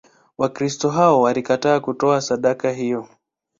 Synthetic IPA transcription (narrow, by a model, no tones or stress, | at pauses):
wakɾistɔɦaɔwalikataːkutɔasaɗakaɦijɔ